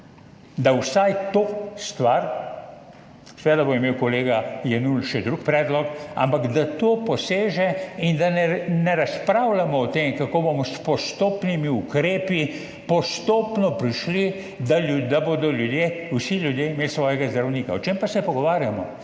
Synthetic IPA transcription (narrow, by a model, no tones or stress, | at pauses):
d̪awsajt̪oːst̪ʋaɾ | sɛʋeːd̪abomimewkɔleːɡajɛnulʃɛd̪ɾukpɾɛːd̪lɔka̰mpaɡd̪at̪opɔseːʒɛind̪anɛnɛɾaspɾaːwlamɔːt̪eːmkakobomɔspɔst̪oːpnimiukɾeːpi | pɔst̪oːpnɔpɾiʃli | d̪aud̪abod̪ɔljud̪jeːwsilʲjud̪jeimeːlsʋɔːjɛɡazd̪ɾawniːkaɔt͡ʃempasɛpɔɡɔʋaːɾjamɔ